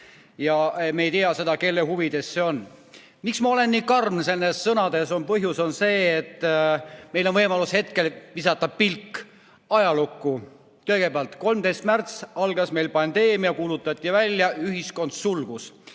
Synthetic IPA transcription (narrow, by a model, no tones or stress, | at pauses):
jɑemejt̪iɑse̞d̪̥ɑke̞lːeɦuvid̪̥e̞sse̞o̞n | miksmɑo̞le̞nːiːkɑrmnse̞nːesːɤnɑd̪̥e̞so̞npɤɦjuso̞nse̞ːt̪ːˑ | me̞jlo̞nvɤjmɑlushe̞t̪̚ke̞lvisɑt̪ːˑɑpilkː | ɑjɑlukːu | kɤjɡe̞peɑlt̪ko̞lmt̪e̞jst̪mært̪sɑlɡ̥ɑsme̞jlpɑnd̪e̞ːmiɑkuːlut̪ːˑɑt̪ʲːivælʲːjɑyɦisko̞nt̪sulɡ̥us